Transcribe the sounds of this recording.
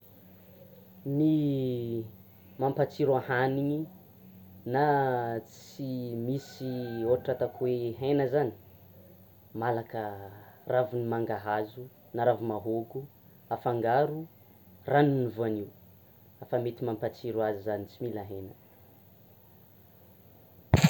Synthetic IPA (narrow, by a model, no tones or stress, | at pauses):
ni | mampat͡siɾuahaniɲi | nat͡simisioaʈ͡ʂat̪akuweɦenəzani̥ | malakəravunimaŋɡaɦazu | naɾavumaɦoɡu | afaŋɡaɾu | ranunuvuaniw | afamet̪imampat͡siɾuazizanit͡similaɦenə